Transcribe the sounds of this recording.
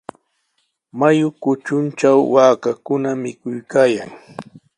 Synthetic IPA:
majʊkʊt͡ʃʊnt͡ʃawːaːkakʊnamɪkʊjkaːja̰ŋ

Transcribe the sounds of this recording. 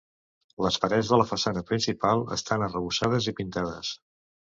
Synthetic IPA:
ləsfəɾɛzðələfəsanəpɾinsipalˠə̰st̪anərəβusaðəzipint̪aðəs

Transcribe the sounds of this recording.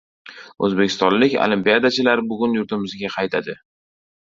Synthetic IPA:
ɵ̰zbekʲʰɪ̥st̪ɒnlɪkʲo̰limpijad̪at͡ʃʰɪlaɾɪbʊɡʲʊnjʊɾt̪ʰɪmɪzɡʲaqʰɑjt̪ʰad̪ɪ

